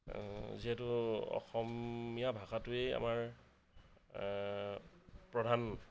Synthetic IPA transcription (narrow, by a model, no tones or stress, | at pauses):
ziɦɛtʊɔ̰xɔmijabʱaxatʊeja̰maɹ | pɹɔdʱan